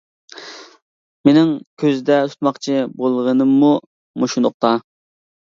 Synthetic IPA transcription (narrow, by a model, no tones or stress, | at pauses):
menɪŋkʲʰøzɪd̪ɛt̪ʰt̪mɑχt͡ʃʰibolˠʁənɨmːu | moʃund̪ʊχ̚t̪ɑ